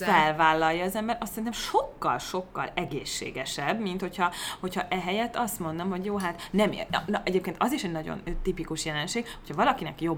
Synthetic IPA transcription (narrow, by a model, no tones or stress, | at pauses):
fɛlvaːlːɒjːɒːzɛmbɛɾʔɒst̪sɛɾin̬ɛmʃo̞kːɒ̰lʃo̞kːɒ̰lɛɡeːʃːḛːɡɛʃɛbmint̪ho̞cʰhɒho̞cʰɒʔɛɦɛjɛt̪ːɒst̪mo̞nd̪omɦo̞ɟjoːɦaːt̪nɛm̰nʔɛɟeːp̚keːnt̪ɒziʃɛɟnɒɟo̰nt̪ipikuʃjɛlɛnʃeːɡhocʰhɒvɒlɒkinɛkjo̞b